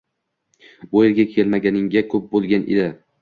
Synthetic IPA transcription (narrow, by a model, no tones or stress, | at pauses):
bʊeɾɡʲakʲʰe̞lmaɡʲanɪŋɡʲakʲʰɵp̚bolˠɡʲanʔḛd̪ɪ